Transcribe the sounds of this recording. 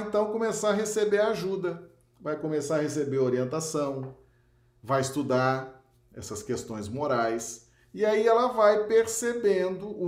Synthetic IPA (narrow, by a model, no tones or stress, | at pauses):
ẽnt̪ɐ̃w̃kõmesaɐɦesebeɾaʒud̪ɐ | vajkomesaɾɐhesebeɾoɾiẽnt̪asɐ̃w̃ | vajɪst̪ud̪aɾ | ɛ̰sɐskest̪õj̃zmoɾajs | iaiɛlɐvajpeɾsebẽnd̪ʊu